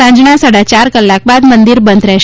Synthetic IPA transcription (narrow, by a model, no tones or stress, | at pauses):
ãɲd͡ʒɳasəɽat͡ʃaɾkəlːak̚bad̪mənd̪iɾbənd̪ɾɛʃ